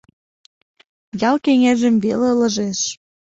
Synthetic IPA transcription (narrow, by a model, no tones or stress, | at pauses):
jɑlkeŋeʒə̆mβelelə̆ʒeʃ